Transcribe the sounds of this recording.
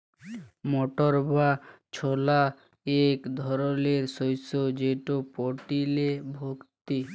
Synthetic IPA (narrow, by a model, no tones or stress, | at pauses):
moʈoɾbat͡ɕʰola | ekd̪ʱɔɾoleɾsojsod͡ʑeʈopoʈilebʱokt̪i